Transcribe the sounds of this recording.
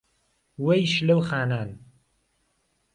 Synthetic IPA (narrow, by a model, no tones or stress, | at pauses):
wejʃlɐwxaːnaːn